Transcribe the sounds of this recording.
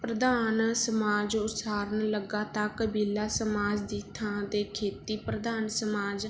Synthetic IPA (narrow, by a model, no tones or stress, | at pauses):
pɾəd̪aːnsəmaːd͡ʒʊt̪saːɾənləɡaːt̪ãːkəbiːlaːsəmaːd͡ʒd̪ɪt̪ʰːãːd̪eːkʰeːt̪iːpɾəd̪aːnsəmaːd͡ʒ